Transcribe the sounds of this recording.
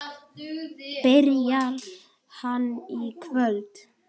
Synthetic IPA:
pɛɾjal | hanːikʰvœlt̪

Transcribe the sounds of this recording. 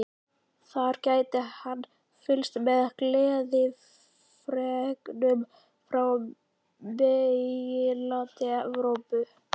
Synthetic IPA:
θaɾcaːjt̪ɪhanː | fɪlst̪mɛðaklɛːðɪ | fɾɛknʏm | fɾaw | mɛɪlant̪ɪɛvɾowpʏ

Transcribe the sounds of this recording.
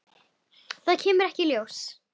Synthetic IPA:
θaðcʰɛːmʏɾɛhcɪljows

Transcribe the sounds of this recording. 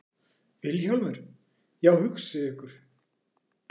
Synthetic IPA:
vɪlçalmɛɾ̥ | jawhʏksɪʏhkʏɾ̥

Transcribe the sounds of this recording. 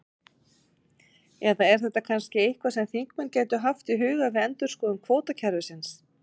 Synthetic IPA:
ɛðaɛɾ̥θɛt̪ːakʰanscɪejhkvasɛmθiŋkmʏncɛːjt̪ʏɦaft̪ɪɦʏːɣavɪɛnt̪ʏ̥skɔːðʏmkʰvoːwt̪acʰɛɾðʏsɪns

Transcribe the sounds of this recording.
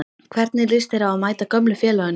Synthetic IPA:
kʰvɛɾt̪̚nɪlɪst̪ɪɾaamaːjt̪akœmlʏfjɛːlœʏn

